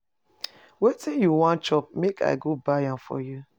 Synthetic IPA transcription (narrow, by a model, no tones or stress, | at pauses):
wetĩnjuwãnt͡ʃɔp̚mekʰa̰ɪɡobaãfɔ̰ju